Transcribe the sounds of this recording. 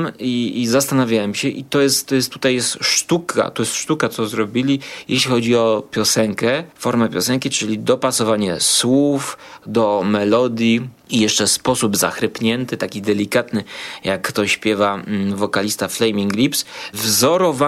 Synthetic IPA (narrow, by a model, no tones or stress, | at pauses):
miːzast̪anavʲjawɛmɕɛʔit̪ɔjɛst̪t̪ːɔjɛst̪ːut̪ajjɛst̪ʂt̪ukʰa̰t̪ɔjɛst̪ʂt̪ukat̪sɔzɾɔbʲilʲijḛɕlʲixɔd͡ʑiɔpʲjɔsɛŋkɛfɔɾmɛpʲjɔsɛŋkʲit͡ʂɘlʲid̪ɔpasɔvaɲɛswufd̪ɔmɛlɔd̪ʲji | ijɛʂt͡ʂɛspɔsubza̰xɾɘpɲɛnt̪ɘt̪akʲid̪ɛlʲikat̪nɘjakːt̪ɔɕpʲjɛvavɔkalʲist̪aflɛjmʲiŋɡlʲipsvzɔɾɔva